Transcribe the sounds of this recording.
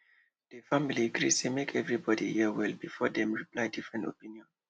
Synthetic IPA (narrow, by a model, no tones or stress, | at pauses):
dəfamiliɡɹisemekʰɛvɹibɔdihiwɛlbifɔdɛ̃mɹiplajdifɹɛ̃nto̰pĩniɔ̃n